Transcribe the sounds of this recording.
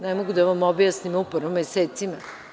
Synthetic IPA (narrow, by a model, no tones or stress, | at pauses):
nemoɡud̪aʋamobjasnimoupr̩ʋomːeseːt̪sima